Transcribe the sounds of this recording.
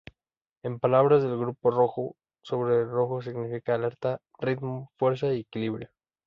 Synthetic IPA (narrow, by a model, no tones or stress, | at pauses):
e̞mpalaβɾazðe̞lɣɾupo̞ro̞xo | so̞βɾero̞xo̞s̬iɣnifikaːle̞ɾt̪a | rit̪mofwe̞ɾs̬aiekiliβɾjo